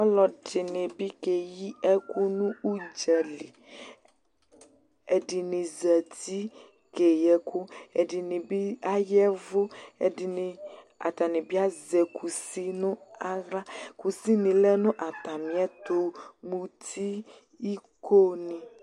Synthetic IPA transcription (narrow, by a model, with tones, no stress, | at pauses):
ɔ˦lɔ˨dɪ˨nẽ˨bi˦ke˨ji˦ɛ˦ku˦nũ˦u˦d͡ʒɛ˨li˨ | e˨ɖɪ˨nɪ˨zɛ˨ti˦ | ke˨jɛ˨ku˦e˨dɪ˨nɪ̃˨bi˦a˦jɛ˦vo˦e˨dɪ˨nɪ˨ | a̰˨t̪a˨nĩ˨bi˦a˦zɛ˨kʰu˨si˦nũ˦a˦ɣɾa˦ku˨si˦nĩ˨lɛ˦nʊ̃˦ʔa˨t̪a˨mĩ˨˦ɛ˦t̪o˨mũ˨t̪ʰi˦ | i˦ko˦nĩ˨